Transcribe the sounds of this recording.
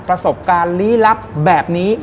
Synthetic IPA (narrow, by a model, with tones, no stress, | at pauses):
t̚pɾa˧so˨˩p̚kaː˧nliː˦˥la˦˥p̚bɛː˨˩p̚niː˦˥